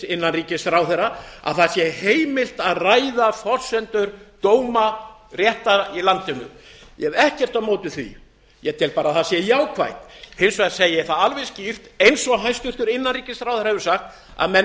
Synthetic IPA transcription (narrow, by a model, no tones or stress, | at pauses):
ɪnːanriːcɪsθɾaːwθɛrːaa̰ðθasjɛheːjmɪlt̪aðrajðafɔr̥sɛnt̪ʏɾt̪oːwmarjɛht̪ailant̪ɪnʏ̰mjɛvɛhcɛr̥t̪awmoːwt̪ɪθvḭ | jɛt̪ʰɪlpaːɾaðθasɛjaːwkʰva̰jt̪hensvḁsejɪjɛ̥θaðalvɛscir̥t̪ejnsɔɣɦajnst̪ʏr̥t̪ʏɾɪnːanriːcɪsθɾawθɛɾahɛvɪɾ̥saxt̪ | a̰ðmɛ